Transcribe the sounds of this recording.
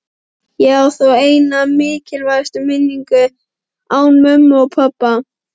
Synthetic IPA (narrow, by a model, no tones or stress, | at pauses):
jɛɣawθoweːjnamɪːcɪlvajst̪ʏmɪnːiŋkʏ | awnmœmːɔɣpʰapːa